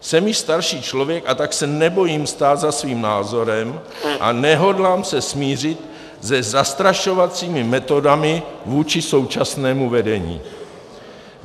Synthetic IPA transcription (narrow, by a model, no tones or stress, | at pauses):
sɛmjɪʃst̪aɾʃiːt͡ʃlo̞vjɛkat̪aksɛnɛbo̞jiːmst̪aːt̪zasviːmnaːzo̞ɾɛm | ʔa̰nɛɦo̞dlaːmsɛsmiːr̝ɪt̪ | zɛzast̪ɾaʃo̞vat͡siːmɪmɛt̪o̞damɪvuːt͡ʃɪso̞wt͡ʃasnɛːmuvɛdɛɲḭː